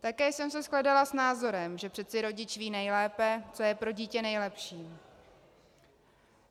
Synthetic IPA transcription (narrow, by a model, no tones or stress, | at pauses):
t̪akɛːsɛmsɛsklɛdalasnaːzo̞ɾɛmʒɛpr̥ɛt̪t͡sɪɾo̞ɟɪt͡ʃviːnɛjlɛːpɛt͡so̞jɛpɾo̞ɟiːcɛnɛjlɛpʃiː